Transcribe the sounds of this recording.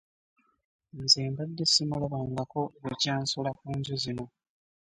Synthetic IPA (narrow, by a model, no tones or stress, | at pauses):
nzeːmbadːesimulaβaːŋɡakoβecaːnsulakuːɲɟozino̞